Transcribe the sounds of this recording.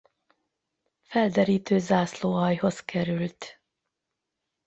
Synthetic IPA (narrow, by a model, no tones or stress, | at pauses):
fɛld̪ɛɾiːt̪øːzaːsloːɦɒjho̞skʰɛɾylt̪